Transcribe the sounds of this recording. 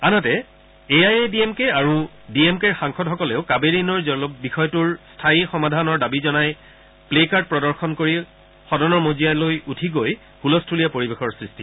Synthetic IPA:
anɔtɛ | eajediemkeaɹu | diemkɛɹxaŋxɔdɦɔkɔleʊkabeɹinɔɹzɔlɔbixɔjɔtuɹstʰaixɔmadʱanɔɹdabizɔnaj | plekaɹt̚pɹɔdɔɹxɔnkoɹi | xɔdɔnɔɹmozijalojutʰiɡoj | hulɔstʰulijapoɹibexɔɹsɹisti

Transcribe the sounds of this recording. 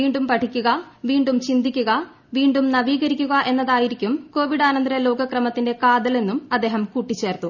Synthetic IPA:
iːɳɖumpɐʈʰikʲːuɣɐʋiːɳɖumt͡ɕind̪ikʲːuɣɐ | ʋiːɳɖumnɐʋiːɣɐɾikʲːuɣɐʔe̞nːɐðaːjiɾikʲːumko̞ːʋiɽaːnɐnd̪rɐjɐlo̞ːɡɐkrɐmɐt̪ːinde̞kaːd̪ɐle̞nːumɐd̪ːe̞ːɦɐmkuʈːit͡ɕːe̞ːrt̪u

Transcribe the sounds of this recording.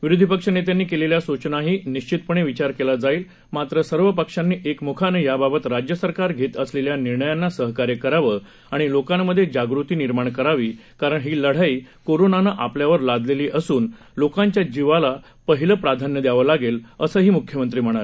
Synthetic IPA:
ʋiɾud̪ʱipəkʂənet̪̬eanːiːkeleljasut͡ɕnaɦiːniɕt͡ɕit̪̚pəɳ̃eʋit͡ɕaɾkelad͡zaiːl | mat̪ɾəsəɾʋəpəkʂanːiːʔekmukʰanejababət̪ɾad͡ʑjəsəɾkaɾɡʱet̪əsleljaniɾɳəjanːasəɦkaɾjekəɾaʋə | aɽ̃ilokamːəd̪ʱːjed͡ʑaɡɾut̪iːniɾmaɳkəɾaʋiːkaɾəɳɦiːləɽ̤aiːkoɾonanaʔapljaʋəɾlad̪ʱleliːʔəsuːn | lokãɲt͡ɕjad͡ʑiʋala | pəɦiləpɾad̪ʱanjəd̪jaʋəlaɡeləsəːɦiːmukʰjəmənt̪ɾiːm̤əɽ̃aɾe

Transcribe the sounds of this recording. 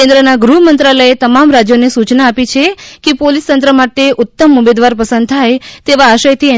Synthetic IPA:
end̪ɾənaɡɾuɦmənt̪ɾaləet̪əmamɾad͡ʒjonesut͡ʃnaːpit͡ʃʰekepolist̪ənt̪ɾəmaʈeʔʊt̪ːəmʊmed̪ʋaɾpəsənd̪̚t̪ʰajt̪eʋaːʃəjt̪ʰiɛ

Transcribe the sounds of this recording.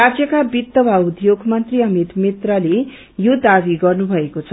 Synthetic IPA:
ad͡zjʌkabit̪ːʌbʱaud̪joɡmʌnt̪riʌmit̪mit̪rʌle | jod̪abiɡʌrnubʱʌekot͡sʰʌ

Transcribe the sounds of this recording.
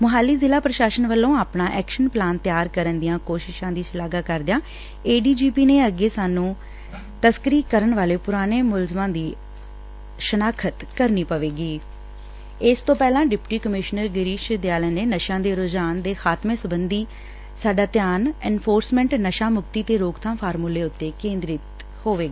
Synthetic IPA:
mʊɦaːlːiːzɪlaːpɾəʃaːsənʋəlːõːaːpɳãːʔɛːkʃənplaːnt̪jaːɾkəɾənd̪ɪjãːkoːʃɪʃãːd̪iːt͡ʃʰɪlaːɡaːkəɾd̪ɪjãː | eːɖiːd͡ʒiːpiːneːəɡeːsaːnũː | t̪əskəɾiːkəɾəɳʋaːleːpʊɾaːneːmʊlzmãːd̪iː | ʃənaːkʰət̪kəɾniːpəʋeːɡiː | ɪst̪õːpɛːlãːɖɪpʈiːkəmɪʃnəɾɡɪɾiːʃd̪jaːlɛːneːnəʃãːd̪eːɾoːd͡ʒaːnd̪eːxaːt̪mẽːsəbənd̪iː | saːɖaːt̪jaːnɛːnfʰoːɾsmɛ̃ːɳʈnəʃãːmʊkt̪iːt̪eːɾoːkt̪ʰãːpʰaːɾmuleːʊt̪ːeːkẽːnd̪ɾɪt̪ | hoːʋeːɡaː

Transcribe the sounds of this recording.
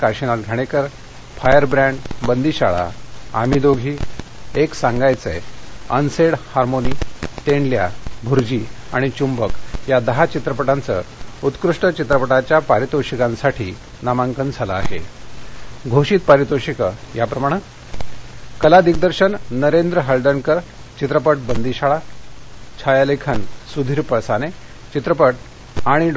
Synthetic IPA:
kaɾɕinat̪ɡʱaɽ̃ekəɾ | fajəɾbɾãɳɖbənd̪iːɕaɭa̰a̰mid̪oɡʱiːeksaŋɡajt͡sḛə̰nseɽhaɾmoniːt̪eɳlja̰bʱuɾd͡ʑiaɽ̃it͡ɕumbəkjad̪əɦat͡ɕit̪ɾəpəʈant͡sə̰ut̪kɾuʂʈət͡ɕit̪ɾəpəʈat͡ɕjapaɾit̪oɕikãnsaʈʰḭː | namaŋkənd͡zʱaləaɦḛ | ɡʱoɕiːt̪̚paɾit̪oɕikəjapɾəmaɽ̃ə | kəlad̪ik̚d̪əɾɕənːəɾend̪ɾəɦəld̪ənkəɾ | t͡ɕit̪ɾəpəʈ̚bənd̪iɕaɭa | t͡ɕʰajalekʰənsud̪ʱiːɾpəɭsane | t͡ɕit̪ɾəpəʈ | aɽ̃iɖ

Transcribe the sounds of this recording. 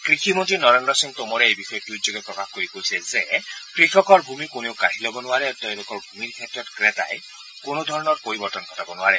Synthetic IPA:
kɾikʰimɔnt̪inɔɾendɾɔsiŋt̪omɔɾeejbixɔjɔtud͡ʒɔɡepɹɔkaxkoɾikoisezekɾikʰɔkɔɾbʱumikonewkaɦilɔbɔnuaɾeat̪ẽlokɔɹbʱumiɾkʰetɾɔtkɾet̪a̰je | konɔd̪ʱɔɾɔnɔɹpoɾibɔɾt̪ɔnkʰɔt̪abɔnuaɾe

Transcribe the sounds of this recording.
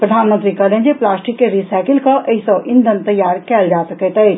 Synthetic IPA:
pɾəd̪ʱaːnmə̃nt̪ɾikɐlẽnd͡ʒeplaːsʈɪkːeɾisaːkɪlkaʔɐisɔʔɪ̃nd̪ʱənt̪ɐjːaːɾkɛːld͡ʒaːsɐkɛt̪ɛ

